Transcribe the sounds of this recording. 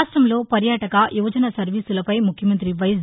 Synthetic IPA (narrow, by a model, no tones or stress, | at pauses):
sʈɾɐmlo̞ːpɐɾjaːʈɐkɐjuʋɐd͡ʒɐnɐsɐɾʋiːsulɐpɐjmukʰjɐmɐnt̪ɾiʋɐjs